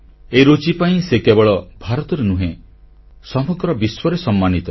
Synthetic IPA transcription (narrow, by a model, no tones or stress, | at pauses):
eɾot͡ʃipaĩsekebɔɭɔbʱaɾɔt̪ɔɾenũɦẽ | sɔmɔɡɾɔbiswɔɾesɔmːanit̪ɔ